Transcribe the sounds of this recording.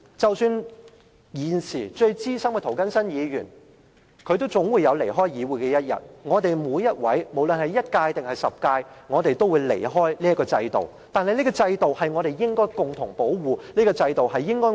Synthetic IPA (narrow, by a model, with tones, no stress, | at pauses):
t͡sɐ˨wsyː˧n | jiː˨˩nsiː˨˩t͡ʃɵ˧ɥt͡siː˥sɐ˥mkɛ˧t̪ʰo˨˩wkɐ˥nsɐ˥njiː˨˧jyː˨˩n | kʰɵ˨˧ɥt̪̬o˥wt͡sʊ˨˥ŋwuː˨˧jɐ˨˧wle˨˩jɦɔː˥jjiː˨˧wuː˨˩jkɛː˧jɐ˥t̚jɐ̰˨˩t̚ŋɔː˨˧t̪e˨jmuː˨˧jːɐ˥t̚wɐ˨˥jmo˨˩wlɵ˨nhɐ˨˩jːɐ˥t̚kaː˧jt̪ɪ˨ŋhɐ˨˩jsɐ˨˩p̚kaː˧jŋɔː˨˧t̪e˨jt̪o˥wuː˨˧jlḛ˨˩jɦɔː˥jliː˥ɐ˥tkːɔː˧t͡sɐ˧jt̪o̰˨˩w | t̪aː˨nhɐ˨jliː˥ɡɔː˧t͡sɐ˧jt̪o˨whɐ˨jŋɔː˨˧ɾe˨jːɪ˥ŋkɔː˥jkʊ˨˩ŋt̪ʰʊ˨˩ŋpo˨˥wwuː˨nliː˥ɡɔː˧t͡sɐ˧jt̪o˨whɐ˨jːɪ˥ŋkɔː˥